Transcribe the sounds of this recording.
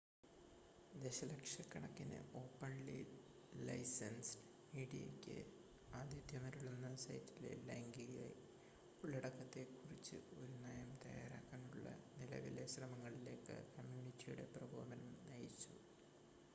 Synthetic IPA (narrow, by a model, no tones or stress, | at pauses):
d̪eɕɐlɐkʂɐkːɐɳɐkːinɨ̰ʔo̞ːpːɐɳli | lɐ̰jsɐns | miːɽijḛkʲːɨ̰ | aːd̪ʱjɐd̪ʱjɐmɐɾuɭːɐnːɐsɐ̰jtːilḛleŋɡiɣḛ | uɭːɐɽɐkːɐt̪ːe̞kːurit͡ɕːɨ̰oɾunaːjɐmt̪ɐja̰ːɾaːkːaːnuɭːɐ̰nilɐ̰ʋileɕrɐmɐŋːɐɭile̞ːkːɨ̰kɐmjuːnitːijuɽe̞prɐbʱoːbɐnɐmnɐjit͡ɕːu